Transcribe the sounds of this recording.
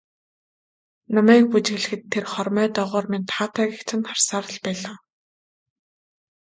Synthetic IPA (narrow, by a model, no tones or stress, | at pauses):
nɔmæːk̚put͡ɕɣɘ̆ɮɘ̆xɘ̆t̪ʰːerχɔrmœːt̪ɔːʁɔːrment̪ʰχaːt̪ʰæːɣʲikt͡ɕʰɘ̆nχarsaːɾə̆ɮpæːɮaː